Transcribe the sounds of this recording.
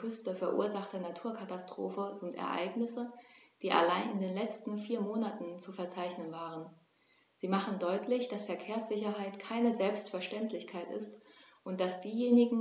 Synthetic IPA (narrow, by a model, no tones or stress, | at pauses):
ʏstəfɛɐʔṵːɐzaχtənatʰuːɐkʰatastʁ̥oːfəzɪntʔɛ̰ɐʔa̰ɪɡnɪsəd̥iːʔa̰laɪnɪndeːnlɛt͡stn̩fiːɐmoːnatn̩t͡sufɛɐt͡saɪçnənvaːʁən | z̥iːmaχn̩dɔʏtʰlɪçd̥asfɛɐkʰeːɐsz̥ɪçɐɦaɪtkʰaɪnəzɛlpstfɛɐʃtɛntʰlɪçkʰaɪtɪ̰stʔʊnt̚d̥asd̥iːjeːnɪɡŋ̩